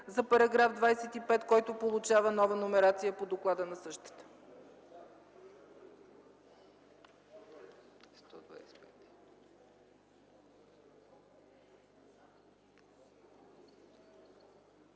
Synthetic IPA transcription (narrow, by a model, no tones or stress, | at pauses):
zɐpɐɾɐɡɾafd̪vajsɛt̪ipɛt̪kɔjt̪ʊpolˠut͡ʃavənɔvənomɛɾat̪sijəpod̪oklˠad̪ənɐsɤʃt̪ɛ̥t̪ə̥ | st̪ɔd̪va̰jsɛ̥pɛt̪